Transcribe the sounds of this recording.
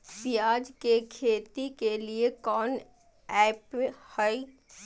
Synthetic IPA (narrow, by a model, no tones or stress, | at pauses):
sijaːd͡ʒkekʰeːt̪ikeliekɔːn | ɛːphəi